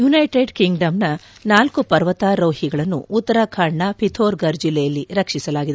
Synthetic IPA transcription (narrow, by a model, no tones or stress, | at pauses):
junɐjʈeɖkiŋɡɖɐmnɐnaːlkupɐɾʋɐt̪aːɾɐːhiɡɐɭɐnːṵːt̪ːɐɾɐkʰɐɳɳɐpʰit̪ʰoːɾɡɐɾd͡ʒilːɛjɐlːiɾɐkʂisɐlaːɡid̪e